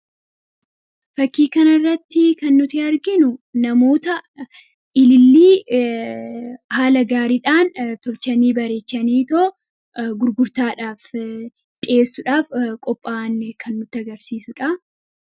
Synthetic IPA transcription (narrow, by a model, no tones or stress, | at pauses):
fɐkːiːkɐnɐrːɐt̪ːɪkɐnːʊt̪ɪɐɾɡɪnʊnɐmo̞ːt̪ɐ | ɪlɪlːiː | haːlɐɡaːɾɪᶑaːnt̪ɔlt͡ʃɐniːbɐɾe̞ːt͡ʃːɐniːt̪oː | ɡʊɾɡʊɾt̪aːᶑaːf | t͡ʃʼɪeːsːʊᶑaːfkʼɔpʼːaːnkʰɐnːʊt̪ːɪɐɡɐɾsiːsʊᶑɐ